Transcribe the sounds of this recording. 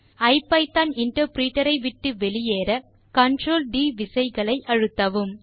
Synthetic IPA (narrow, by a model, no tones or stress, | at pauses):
ɐɪpːɐɪt̪ːɐnɪɳʈɐɾpɾiːʈːɐɾɐɪʋɪʈːɯʋɛɭɪjeːɾɐ | kɐɳɖɾoːlɖiːʋɪsɐɪɣɐɭɐɪʔɐɻɯt̪ːɐʋɯm